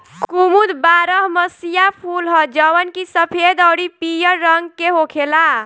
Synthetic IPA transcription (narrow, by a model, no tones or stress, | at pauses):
kkumud̪baɾəɦməsijapʰulɦəd͡ʒəwənkisəpʰed̪əwɽipijəɾːəŋɡkeɦokʰela